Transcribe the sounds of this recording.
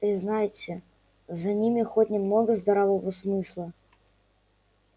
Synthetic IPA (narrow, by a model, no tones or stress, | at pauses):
pɾʲɪznajɪt͡sʲːɪ | zɐnʲimʲɪxotʲnʲɪmno̞ɡəzd̪ɐɾɐvovəsmɨslˠə